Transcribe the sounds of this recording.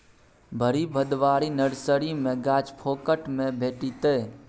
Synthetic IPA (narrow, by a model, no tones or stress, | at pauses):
bʱəɾibʱəd̪ʋaːɾinəɽsəɾimẽɡaːt͡ʃpʰoːkəʈmẽbʱeːʈit̪eː